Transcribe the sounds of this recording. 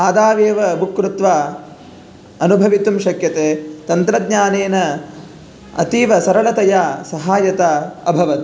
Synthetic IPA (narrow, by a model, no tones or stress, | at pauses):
aːd̪aːʋeːʋɐbukːɾut̪ʋaː | ɐnubʱɐʋit̪umʃɐkjɐt̪eːt̪ɐnt̪ɾɐd̪ɲaːneːnɐ | ɐ̰t̪iːʋɐsɐɾɐɭɐt̪ɐjaːsɐɦaːjɐt̪aːɐbʱɐʋɐt̪